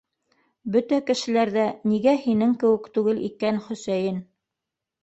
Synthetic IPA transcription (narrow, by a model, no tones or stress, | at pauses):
bɵt̪ækɘ̆ʃɘ̆læɾðæniɡæhinɘŋkɘ̆wɘ̆kt̪ʉɡɘlḭkænχɵ̆sæjɘn